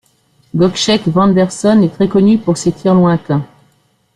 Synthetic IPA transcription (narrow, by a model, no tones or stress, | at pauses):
ɡɔkʃɛkvɑ̃d̪ɛʁsɔnɛt̪χɛkɔnypuʁset̪ʰiʁlwɛ̃t̪ɛ̃